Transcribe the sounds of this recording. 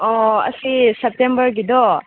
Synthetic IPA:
ɔɐ̰sisep̚tembɐɾɡid̪ɔ

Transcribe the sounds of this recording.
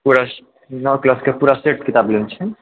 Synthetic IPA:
puɾas | nɔwklaskepuɾaseʈkit̪ablent͡ʃʰɛ

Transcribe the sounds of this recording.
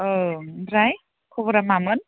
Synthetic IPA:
ɯɾaj | kʰobɔɾamamɯn

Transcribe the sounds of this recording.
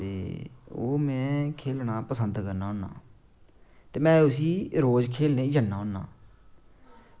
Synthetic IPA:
ḛːo̰ːmɛ̃ːkʰeːlnaːpəsənd̪kəɾnaːɦoːnːa̰ː | t̪eːmɛ̃ːʊs̬iːɾoːd͡ʒkʰeːlneːd͡ʒənaːɦoːna̰ː

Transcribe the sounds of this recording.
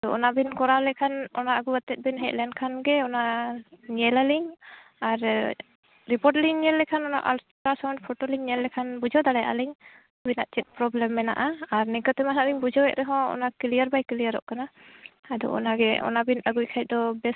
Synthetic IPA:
ad̪ɔɔnabinkɔɾalɛkʰanɔnaaɡuat̪ɛt̪̚binɦɛt̪̚lɛnkʰanɡɛɔnaɲɛlaliɲ | aɾ | ɾipɔʈliŋɲɛlːɛkʰanɔna̰ʔalstɾasawnɖ̚pʰɔʈoliŋɲɛlːɛkʰanbud͡ʒɔd̪aɽɛja̰ʔa̰liɲ | binaʔt͡ʃɛt̪̚ˀpɾɔblɛmːɛna̰ʔaaɾnɛkət̪ɛmaɦaʔliŋbud͡ʒɔɛʔ̚ɾɛɦɔ̃ɔ̰nakilijəɾbajkilijəɾɔ̰ʔkanaad̪ɔ̰ʔɔ̰naɡɛɔ̰nabinaɡujkʰaj̚d̪ɔbɛs

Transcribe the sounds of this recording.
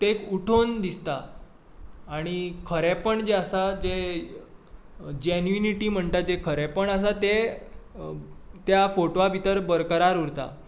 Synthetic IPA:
t̪ekuʈʰond̪ist̪a | ɽ̃ikʰəɾɛpəɳd͡ʑeəsad͡ʑe | d͡ʑenuiniʈiːm̤əɳt̪ad͡ʑekʰəɾɛpəɳəs̬at̪e | t̪jafoʈoʋabʱit̪əɾbəɾkəɾaɾuɾt̪a̰

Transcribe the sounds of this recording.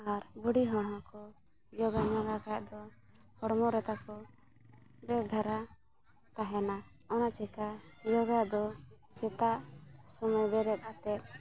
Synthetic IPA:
aɾbuɽiɦɔɽmɔkɔ | jɔɡaɲɔɡakajʔd̪ɔ | hɔɽmɔɾɛt̪akɔ | bɛd̪ʱaɾa | p̪aɦɛna | ɔnat͡ʃɛkajɔɡad̪ɔsɛt̪aʔsɔmajbɛɾɛt̪̚ˀat̪ɛt̪̚

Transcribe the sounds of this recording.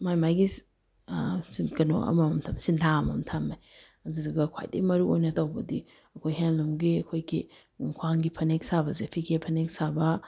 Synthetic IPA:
majmajɡi | sinkɐno̰ɐ̰mɐmtʰamsintʰaɐmɐ̰mtʰama | ɐdudɐɡɐkʰa̰jdḭmɐɾuo̰jnɐtawbɐdi | ɐkʰojɦenlumɡiɐkʰojɡi | kʰwaŋɡipʰɐnek̚sabɐzepʰiɡepʰɐnek̚sabɐ

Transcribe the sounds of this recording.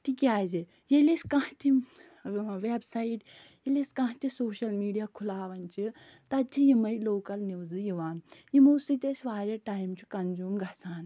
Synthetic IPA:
t̪ikʲaːze | jeleskãɦt̪ʰi | ʋeːbsaiʈ | jeleskɐ̃ɦt̪isoːʃɐlmiːɖijaːkʰulaːʋɐnt͡ʃi | t̪ɐd͡ʒʰijimɐjloːkɐlniʋzɨjiʋaːnjimuːsit̪ʲesʲʋaːɾʲɐʈaːjmt͡ʃʰukɐnzuːmɡʱɐsaːn

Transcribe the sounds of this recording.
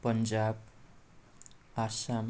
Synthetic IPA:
pʌnd͡zab̚ | asam

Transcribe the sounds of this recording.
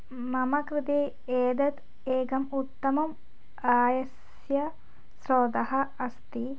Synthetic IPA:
mɐmɐkɾɪt̪eː | eːd̪ɐt̪ | eːɡɐmut̪ːɐmɐm | aːjɐs | jɐ | sɾoːd̪ɐɦɐɐst̪i

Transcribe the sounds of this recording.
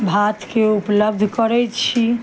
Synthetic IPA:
bʱat̪keupləb̚d̪ʱkəɾɛt͡ʃʰi

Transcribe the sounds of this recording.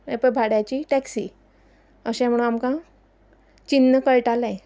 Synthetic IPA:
ẽpəbʱaɽjat͡ɕiːʈɛksḭ | əɕɛ̃m̤əɽ̃unamkã | t͡ɕinːəkəɭʈalã

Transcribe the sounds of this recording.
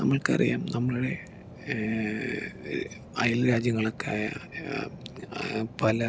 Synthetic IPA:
nɐmːɐɭkɐ̰rḭja̰ːmnɐmːɐɭuɽe̞ | ɐjɐlɾaːd͡ʑjɐŋːɐɭokːa̰ːjɐ | pɐlɐ

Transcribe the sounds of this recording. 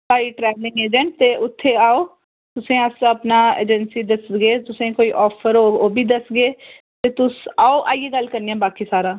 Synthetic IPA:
paːiːʈɾɛːʋlɪ̃ŋɡeːd͡ʒəɳʈ̚t̪eːʔʊt̪ʰːeːaːoː | t̪ʊsẽːəsəpnaːḛːd͡ʒənsiːd̪əsɡeːt̪ʊsẽːkoːiːʔɔːpʰəɾoːoːbiːd̪əsɡeː | t̪eːt̪ʊsaːoːʔaːiːeːɡəlkəɾniãːbaːkiːsaːɾãː

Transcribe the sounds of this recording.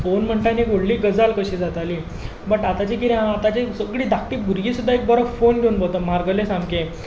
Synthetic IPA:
fonm̤əɳʈ̪aniɡoɽliːɡəd͡zalkəɕiːd͡zat̪ali | bəʈat̪at͡ɕik̬it̪ẽɦãat̪at͡ɕesəɡɽiːd̪ʱak̚ʈiːbʱuɾɡiːsud̪ʱːaek̚bəɾəfonɡʱeunbət̪əm̤aɾɡəlẽsãmkẽ

